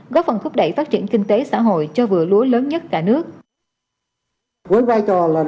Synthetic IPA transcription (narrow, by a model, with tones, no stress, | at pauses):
ɣɔ˦˥p̚fə˨˩nt̪ʰʊ˦˥k͡p̚ɗə˧˩jfaː˦˥t̚t͡ɕi˧˩ənkï˧ŋt̪e˨˦sa̰ː˧˥˩ɦo̰˧˨jt͡ɕɔ˧vɨ̰˧˩əlu˨˦ənləː˨˦nɲə˦˥t̚kaː˧˩nɨ˦˥ək̚ | ku˨˦əjvaː˧jt͡ɕɔ˨˩laː˨˩